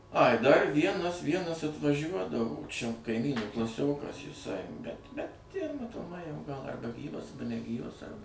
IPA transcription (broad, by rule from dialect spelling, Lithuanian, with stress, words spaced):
ɐɪ dɐr ˈʋʲiɛnɐs ˈʋʲiɛnɐs ɐtʋɐˈʒʲuɔdɐʋoː t͡ʃʲɛ kɐɪˈmʲiːnuː klˠɐˈsʲoːkɐs jɪˈsɐɪ bʲɛt ˈbʲɛt ˈjiɛ mɐtoːˈmɐɪ jɛʊ ɡɐlˠ ɐrˈbɐ ˈɡʲiːʋɐs ɐrˈbɐ nʲɛˈɡʲiːʋɐs ˈɐrbɐ